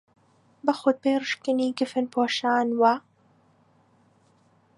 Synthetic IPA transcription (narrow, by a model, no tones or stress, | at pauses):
bɐxʊd̪̚peːɾɨʃkɨniːɡɪfɨnpʰoːʃaːnwa